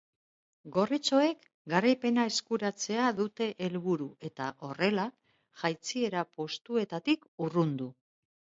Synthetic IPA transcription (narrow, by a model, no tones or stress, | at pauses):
ɡo̞rit͡so̞e̞k | ɡaɾajpe̞nae̞skuɾat͡se̞aðut̪e̞ʔelβuɾue̞t̪aʔo̞re̞la | ʝajt͡sie̞ɾapo̞st̪ue̞t̪at̪ikurund̪u